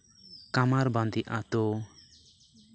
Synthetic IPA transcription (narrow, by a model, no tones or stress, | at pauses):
kamaɾbãnd̪iʔat̪ɔ